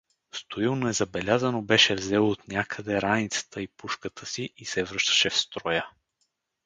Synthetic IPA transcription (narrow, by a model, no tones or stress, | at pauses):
st̪oilˠnoɛzɐbɛlʲazənobɛʃɛvzɛlˠoot̪nʲakʰəd̪ɛɾanit̪sə̥t̪ʰəipuʃkət̪ʰəsiʔisɛvɾɤʃt̪ə̥ʃɛfst̪ɾɔjə